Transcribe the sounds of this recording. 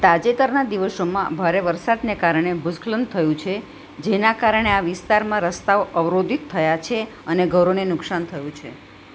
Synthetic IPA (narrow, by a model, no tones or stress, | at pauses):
t̪ad͡ʒet̪əɾnad̪iʋəʃomãbʱaɾeʋəɾsad̪nekaɾɳ̃ebusklənd̪t̪ʰəjũt͡ʃʰe | d͡ʒenakaɾəɳ̃eaʋɪst̪aɾmãɾəst̪aoʔəʋɾod̪ʱit̪ʰːəjat͡ʃʰe | əneɡʱəɾonenʊksant̪ʰəjũt͡ʃʰḛ